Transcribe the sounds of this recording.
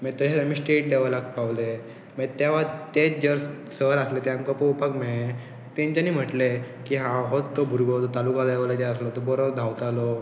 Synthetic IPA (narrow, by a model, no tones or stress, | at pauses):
met̪əɕet̪amiːsʈeʈ̚ɖeʋələk̪̚paʋle | met̪jaʋat̪et͡sd͡ʑəɾssəɾaslet̪amkəpoupakme | t̪ẽɲt͡ɕaniːm̤əʈle | kiɦãɦot̪ːobʱuɾɡot̪ot̪alukalaeʋlat͡ɕeəslɔt̪ɔbɔɾod̪ʱawt̪alɔ